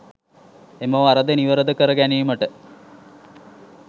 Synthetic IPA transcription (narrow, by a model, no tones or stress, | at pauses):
emoʋaɾəd̪əniʋəɾəd̪əkəɾəɡænijməʈə